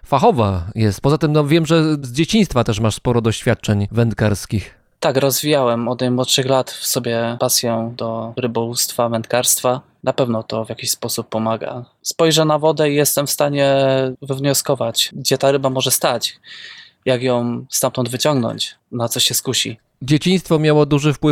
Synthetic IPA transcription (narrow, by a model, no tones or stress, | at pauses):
faxɔvajɛst̪̚pɔzat̪ɘmnɔvʲjɛmʐɛzd͡ʑet͡ɕĩj̃st̪fat̪ɛʂmaʂspɔɾɔd̪ɔɕfʲjat̪̚t͡ʂɛɲvɛnt̪kaɾskʲix | t̪akɾɔzvʲijawɛmɔd̪najmwɔt̪ʂɘxlat̪fsɔbʲjɛpasʲjɔ̃d̪ɔɾɘbɔwust̪favɛnt̪̚kaɾst̪fa | napɛvnɔt̪ɔvjakʲiɕspɔsupːɔmaɡa̰spɔjʐɛnavɔd̪ɛijɛst̪ɛmfst̪aɲɛvɘvɲɔskɔvat͡ɕɡd͡ʑɛt̪aɾɘbamɔʐɛst̪at͡ɕ | jaɡjɔ̃w̃st̪amt̪ɔnd̪vɘt͡ɕɔŋɡnɔ̰ɲt͡ɕnat̪sɔɕɛskuɕḭ | d͡ʑet͡ɕĩj̃st̪fɔmʲjawɔd̪uʐɘfpwɘ